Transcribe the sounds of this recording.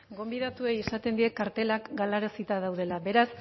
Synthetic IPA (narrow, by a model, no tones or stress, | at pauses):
ɡo̞mbiðat̪ue̞jisat̪e̞nd̪iekaɾt̪e̞lakɡalaɾasit̪að̞awð̞e̞laβe̞ɾas